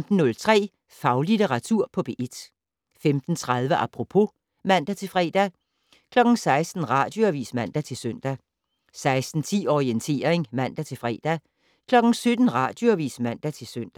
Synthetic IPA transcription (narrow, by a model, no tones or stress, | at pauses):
md̥n̩ːɔ̽lt͡sʰʁɛ̰ː | fɑ̈ʊlideʁɑ̈t͡sʰuɐ̰pʰɒ̽b̥e̝ʔed̥ | femd̥n̩t͡sʰʁɑðˠʋəʔɑpʰʁo̝pʰo̝ | mæn̰d̥æt͡sʰe̝lfʁɛ̰ːd̥æ | kʰlɒ̽ɡ̥n̩sɑ̈ɪsd̥n̩ʁɑ̈d̥jo̝æʋḭːsmæn̰d̥æt͡sʰe̝lsøn̰d̥æ | sɑ̈ɪsd̥n̩t͡sʰḭːɒient͡sʰe̝̰ːɐeŋmæn̰d̥æt͡sʰe̝lfʁɛ̰ːd̥æ | kʰlɒ̽ɡ̥n̩sød̥n̩ʁɑ̰̈d̥joæʋḭːsmæn̰d̥æt͡sʰe̝lsøn̰d̥æ